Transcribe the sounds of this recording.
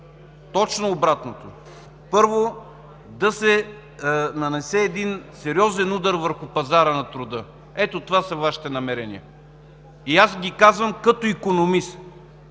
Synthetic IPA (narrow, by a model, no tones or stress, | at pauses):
t̪ɔt͡ʃnoːbɾat̪not̪o | pɤɾvo | d̪ɐsɛ | nɐnɛsɛːd̪insɛɾiɔzɛnud̪ɐɾvəɾxʊpɐzaɾənɐt̪ɾʊd̪ɤ | ɛt̪ot̪ovasɐvaʃi̥t̪ɛnɐmɛɾɛnḭə | iasɡʲikazvəmkɐt̪oikonomist̪